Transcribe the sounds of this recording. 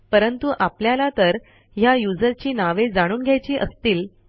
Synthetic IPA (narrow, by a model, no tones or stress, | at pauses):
pəɾənt̪uʔapljalat̪əɾ | jajud͡zəɾt͡ɕiːnaʋed͡zaɽ̃uːnɡʱjajt͡ɕiːʔəst̪iːl